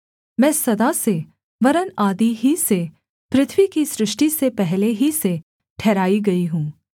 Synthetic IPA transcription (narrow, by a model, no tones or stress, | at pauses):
mɛ̃ːsɐd̪ase | ʋɐɾənaːd̪iɦise | pɾɪt̪ʰʋikisɾɪʃʈisepɛɦleɦise | ʈʰɛːɾaːiɡɐiɦũː